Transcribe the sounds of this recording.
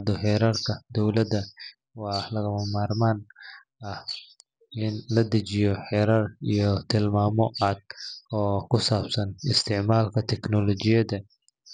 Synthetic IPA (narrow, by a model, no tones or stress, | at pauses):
d̪ɔħɛːɾarkʰɐd̪ɔwlɐd̪ɐ | wɑːlɐɣɐmɐmaːrmaːn | ɐh | ɪnlɐd̪ɐt͡ʃɪjɔħɛɾɐrijɔt̪ʰɪlmaːmɔʔad̪̚ɔːkʰʊsaːbsɐnɪst̪ʰɪʕmaːlkʰɐt̪ʰɛknɔlɔt͡ʃɪjɐðɐ